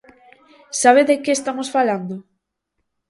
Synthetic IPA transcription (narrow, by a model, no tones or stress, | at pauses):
saβ̞eðekeest̪amosfaland̪o